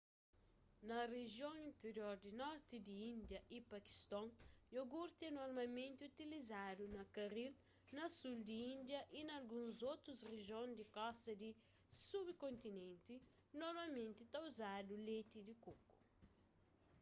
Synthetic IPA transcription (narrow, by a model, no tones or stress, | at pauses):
nɐreʒjõŋĩnt̪eɾjoɾd̪inɔɾt̪id̪iĩnd̪jɐʔipɐki̥st̪ɔ̃ŋjoɡuɾt̪ɛ̃noɾmɐlmẽnt̪iut̪ilizad̪unɐkɐɾil | nɐsuld̪iĩnd̪jɐʔinɐlɡũnzot̪ɾuzreʒjõnd̪ikɔst̪ɐd̪i | subkõnt̪inẽnt̪i | noɾmɐlmẽnt̪it̪auzad̪ulet̪id̪ikoku̥